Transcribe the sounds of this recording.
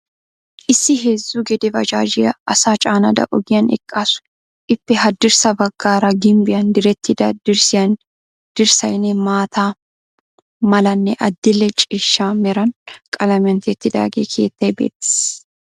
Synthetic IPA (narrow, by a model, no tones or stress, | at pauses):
ʔɪsːɪɦezːuːɡɛd̪ɛvɐd͡ʒaːd͡ʒɪjɐɐsaːt͡ʃʼaːnɐd̪ɐ̰ʔɔɡɪjɐnɛ̰kʼːaːsʊ̥ | ʔɪpːɛɦɐd̪ɪɾsɐbɐɡːaːɾɐɡɪmbɪjɐnd̪ɪɾɛt̪ːɪd̪ɐd̪ɪɾsɪjɐn | d̪̥ɪɾsɐjnɛmaːt̪ʰaː | mɐlɐnːɛʔɐd̪ːɪlːɛt͡ʃʼiʃːaːmɛɾɐnkʼɐlɐmɪɐnt̪ɛt̪ːɪd̪a̰ːɡḛːkʰe̞̰ːt̪ːɐjbḛːt̪ːɪ̥s